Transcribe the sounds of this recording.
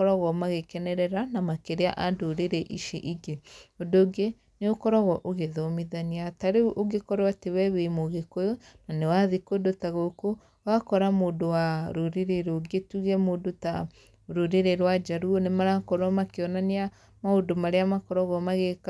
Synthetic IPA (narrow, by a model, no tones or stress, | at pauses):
ɔɾɔɣɔmaɣekɛnɛɾɛɾanamakeɾea̰ʔadoːɾeɾɛʔiʃeʔiɡeodoːɡe | neokɔɾɔɣɔʔoɣeðɔmeðaniataɾeʔoɡekɔɾaatewɛβeimoɣekojonanewaðekondotaɣoko | wakɔɾamoːndowaɾoɾeɾeɾoɡetuɣɛmoːdota | ɾoɾeɾeɾwad͡ʒaɾuonemaɾakɔɾɔmakeɔnanea | maodomaɾeamakɔɾɔɣɔmaɣek